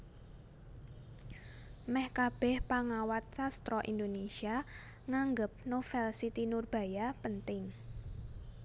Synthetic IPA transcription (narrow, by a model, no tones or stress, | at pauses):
mɛhkab̥ɛ̤hpaŋawat̪̚t͡ʃast̪ɾɔʔḭnd̪onesia | ŋaŋɡəp̚nofɛlsit̪inʊrb̥a̤japənt̪ɪŋ